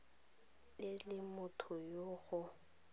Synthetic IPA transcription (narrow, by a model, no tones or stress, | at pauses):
lɪlɪmʊtʰʊjoːɣʊ